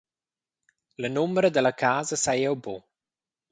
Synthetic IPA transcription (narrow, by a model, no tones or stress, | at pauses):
lənʊmɾəd̪ələkʰaːzəsajəwboː